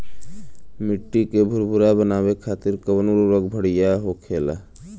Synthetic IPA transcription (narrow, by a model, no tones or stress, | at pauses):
mɪʈːikebʱʊɾbʱʊɾabənaːbekʰaːt̪ɪɾkəbənuɾɾoɡbʱəɽijaɦokʰeːla̰